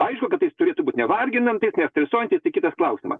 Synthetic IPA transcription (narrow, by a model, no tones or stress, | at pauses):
ɐɪʃkʊkɐt̪ːɐjɪst̪ʊɾʲeːt̪ʊbuːt̪ʲnʲɛʋɐrʲɡʲɪnɐmt̪ɐɪjɪsnʲɛtsʲt̪ʲɾʲɛsoɔːjɛnt̪ʲɪst̪ɐɪkʲɪt̪ɐsklˠɐʊsʲɪmɐ̰s